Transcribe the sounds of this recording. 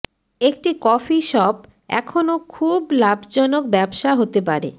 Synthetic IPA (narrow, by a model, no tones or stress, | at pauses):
ek̚ʈikɔfiʃɔb̚ | ɛ̰kʰonokʰublabd͡ʑɔnok̚bɛbʃaɦot̪epaɾḛ